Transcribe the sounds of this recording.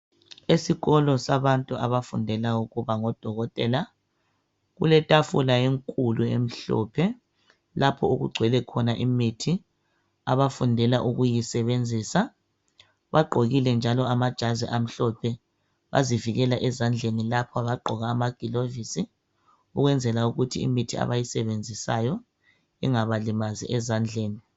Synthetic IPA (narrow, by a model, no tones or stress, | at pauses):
esiɣɔlɔsaβantʼua̰βafundʱɛlauɣuβaŋɔd̥ʱɔɣɔtʼɛːla | ɣṵlɛtʼafulajeŋkʼuluḛm̩ɬɔ̰pʰɛ | lapʰɔuɣṵɡ͡ǀʱwɛlɛkʰɔnaʔimitʰi | a̰βafundʱɛlaʔuɣujisɛβend͡zʱiːsa | βaɡ͡ǃʱoɣilɛnd͡ʒʱalɔamad̥ʒ̥ʱazɛ̰ʔam̩ɬɔpʰɛ | βa̰ziviɣɛlaʔɛzand͡ɮʱenilapʰɔaβaǃʱɔɣaːmaɡ̥ʱilovisi | uɣwɛnd͡zʱɛlauɣutʰḭḭmitʰia̰βajisɛβend͡zʱisajɔ | ḭŋaβalimazḭʔɛzand͡ɮʱeːni